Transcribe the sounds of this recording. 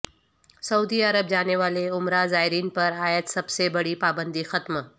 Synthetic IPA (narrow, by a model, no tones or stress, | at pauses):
sɐuːd̪iɐɾəbd͡ʒaːneʋaːleʊmɾazaːɦɪɾiːnpɐɾaːjəd̪sɐbsebɐɽipaːbə̃nd̪ixɐt̪m